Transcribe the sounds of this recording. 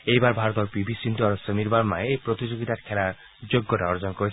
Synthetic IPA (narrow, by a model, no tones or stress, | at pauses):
ejbaɾbʱaɾɔt̪ɔɾpibʱisint̪iɔɾɔsɔmiɾbaɾmaeepɾot̪id͡ʒoɡit̪akʰela | d͡ʒoɡːɔʈaɔɾd͡ʒɔnɔkɔɾit͡ʃʰi